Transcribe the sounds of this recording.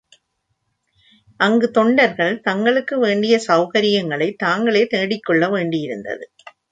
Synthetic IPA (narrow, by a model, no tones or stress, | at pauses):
ʔɐŋɡɯt̪ɔɳɖɐɾɣɐɭt̪ɐŋɡɐɭɯkːɯʋeːɳɖɪjɐsɐʊɣɐɾɪjɐŋɡɐɭɐɪt̪ːaːŋɡɐɭeːt̪eːɽɪkːɔɭːɐʋeːɳɖɪjɪɾɯnd̪ɐ̰ðɯ